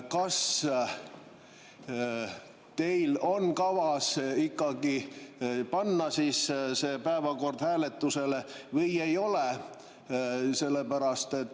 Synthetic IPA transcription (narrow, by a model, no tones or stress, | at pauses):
kɑs | t̪e̞jlo̞nkɑvɑsikˑːɑɡ̥i | pɑnːɑsiːsse̞ːpæevɑko̞rd̪̥hæːle̞t̪ːˑuse̞levɤje̞jo̞le | se̞lːe̞bæɾɑst̪e̞t̪ː